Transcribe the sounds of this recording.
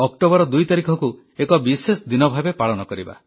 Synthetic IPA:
ɔkʈobɔɾɔd̪ujt̪aɾikʰɔku | ekɔbisesɔd̪inɔbʱabepaɭɔnɔkɔɾiba̰

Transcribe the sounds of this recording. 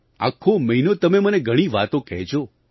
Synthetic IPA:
a̰kʰoməɦinot̪əmeməneɡʱəɽ̃iʋat̪õkɛɦt͡ʃʰo

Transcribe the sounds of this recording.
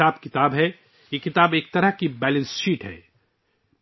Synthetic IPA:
aːbkɪt̪aːbɦɛ | jekɪt̪aːbeːk̚t̪ɐɾəɦkibɛːlə̃nsʃiːʈɦɛ̰ː

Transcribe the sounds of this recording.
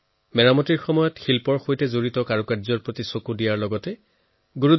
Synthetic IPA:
mɛɹamɔtiɹxɔmɔjɔtxilpɔɹxojtɛzoɹitɔkaɹukazɔɹpɹotisokudijaɹlɔɡɔtɛ | ɡuɹu

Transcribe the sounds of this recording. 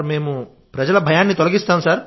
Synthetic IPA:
ɾme̞ːmu | pɾɐd͡ʒɐlɐbʱɐjaːnːit̪olɐɡist̪aːmsaːɾ

